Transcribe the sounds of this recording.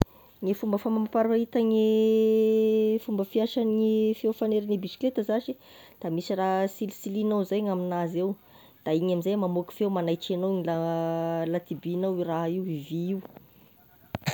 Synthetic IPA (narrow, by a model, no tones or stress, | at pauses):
ŋefumbəfamamapaɾait̪əŋe | fumbəfiaʃanɲifewfaneɾinibisi̥klet̪əzaʃi | d̪̥amisirasilisilinowzajŋaminazew | d̪̥aiɲaminzajmamoki̥fewmanajt͡ʃenoŋilalat̪ibinawiraɦiwiviiw